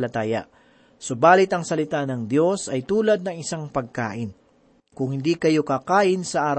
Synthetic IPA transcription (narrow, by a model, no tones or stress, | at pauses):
lɐt̪aːjɐ̰ʔ | sobaːlɪt̪ɐŋsɐlɪt̪anɐŋd̪jo̞sɐjt̪uːlɐd̪̚nɐŋɪsaŋpɐɡ̚ka̰ːʔɪn | kʊŋhɪnd̪ikɐjo̞kɐkaːʔɪnsɐʔaːɾ